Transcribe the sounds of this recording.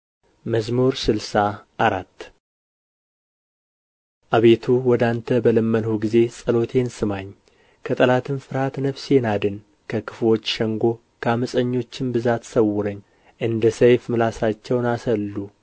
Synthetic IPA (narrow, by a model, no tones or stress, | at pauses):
məzmuɾsɨlsaʔaɾat̪ː | ʔaβe̞t̪ʰuwɔd̪ant̪ʰəbələmːənhoɡize̞sʼəlo̞t̪ʰe̞nsɨmaɲː | kʰət̪ʼəlat̪ʰɨnfɨɾhat̪nəfsenad̪ɨn | kʰəkʰɨ̥flo̞t͡ʃːʃəŋɡo̞ | kʰəaməsʼəɲːo̞t͡ʃːɪnbɨzat̪səwːʊɾəɲː | ʔɨnd̪əsəjfmɨlasat͡ʃːɛwnasəlːu